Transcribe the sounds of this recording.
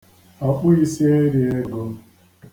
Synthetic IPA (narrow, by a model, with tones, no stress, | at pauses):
a˨k͡pʊ˦i˦si˦e˦ɾi˨e˦ɡo˦